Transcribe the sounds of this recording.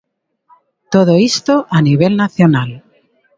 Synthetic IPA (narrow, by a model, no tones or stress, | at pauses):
t̪oð̞oist̪oʔaniβ̞e̞lnaθjonal